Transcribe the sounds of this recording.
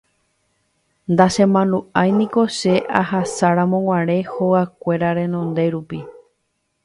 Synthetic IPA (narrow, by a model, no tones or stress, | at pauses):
nd̪aʃẽ̞mãnũajnĩko̞ʃe̞ʔahasaɾamõŋ̃ʷãɾe̞hoakʷe̞ɾaɾẽ̞nõ̞nd̪e̞ɾupi